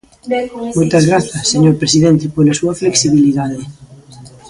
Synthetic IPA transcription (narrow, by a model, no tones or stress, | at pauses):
mojt̪ɐzɣɾaθɐseɲoɾpɾesiðent̪epolɐsuɐfleksiβiliðaðe